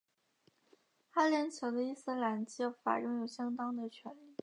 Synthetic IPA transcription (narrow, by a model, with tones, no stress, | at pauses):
xa˥ljɛ˧˥nt͡ɕʰjo˧˥ʊd̪ə˧i˥˩s̩˥la˧˥nt͡ɕi˧˥jo˧˥ʊfa̰˨˩ɻɤ˥ŋjo˨˩ʊɕjɑ˥ŋt̪ɑ˥ŋd̪ə˨t͡ɕʰɥɛ˧˥nli˥˩